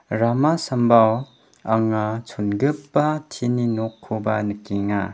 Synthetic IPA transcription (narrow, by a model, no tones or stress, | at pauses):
ɾamasɐmbaw | aŋat͡ʃʰunɡɯpːatʰininɔkʰːubanɯkiŋa̰